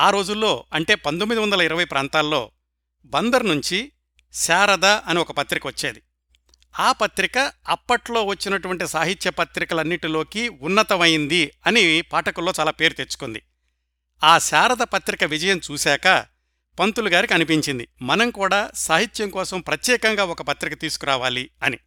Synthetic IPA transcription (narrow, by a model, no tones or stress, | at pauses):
aːɾo̞ːd͡ʒulːo̞ːɐɳʈe̞ːpɐnt̪omːid̪iʋɐnd̪ɐlɐiɾɐʋɐjpɾaːnt̪aːlːo̞ː | bɐnd̪ɐɾnuɲt͡ʃi | saːɾɐd̪ɐʔɐniɔkɐpɐt̪ɾikɐʋɐt͡ʃːeːd̪i | aːpɐt̪ɾikɐɐpːɐʈlo̞ːʋɐt͡ʃːinɐʈuʋɐɳʈisaːɦit̪jɐpɐt̪ɾikɐlɐnːiʈilo̞ːkiːunːɐt̪ɐmɐjind̪iɐnipaːʈɐkulːo̞ːt͡ʃaːlaːpe̞ːɾut̪et͡ʃːu̥kund̪i | aːsaːɾɐd̪ɐpɐt̪ɾikɐʋid͡ʒɐjɐmt͡ʃuːsaːkɐ | pɐnt̪uluɡaːɾikiɐnipiɲt͡ʃind̪imɐnɐmkuːɽaːsaːɦit̪jɐmkɔːsɐmpɾɐt̪jɛːkɐŋɡaːɔkɐpɐt̪ɾikɐt̪iːsu̥kuɾaːʋaːliɐni